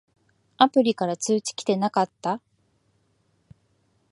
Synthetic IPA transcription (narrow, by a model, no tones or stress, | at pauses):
apɯ̟ɾʲikaɾat͡sɨːt͡ɕi̥kʲi̥t̪e̞nakat̪ːa